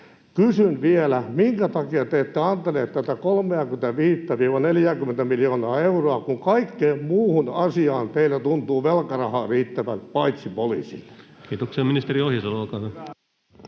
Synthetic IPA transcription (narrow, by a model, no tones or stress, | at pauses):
kysynʋielæmiŋkæt̪ɑkiɑt̪eːt̪ːeɑnt̪eleːt̪t̪æt̪ækolmeɑkyment̪æʋiːt̪ːæʋiːʋɑneljæːkymːˑent̪æmiljoːnɑːeuroɑkuŋkɑikːeːmmuːhunɑsiɑːnt̪eilːæt̪unt̪uːʋelkɑrɑhɑːriːt̪ːæʋælpɑit̪sipolḭːsḭlkiːt̪okseminist̪eriohjɑsolokɑn